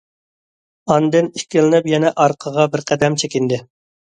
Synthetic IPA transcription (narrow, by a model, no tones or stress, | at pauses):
ɑnd̪ɨniʃkʲɪlˠɪnɨpjɛnɛʔɑɾqʰəʁɑbɪɾqʰɛd̪ɛmt͡ʃʰɛkʲind̪ɪ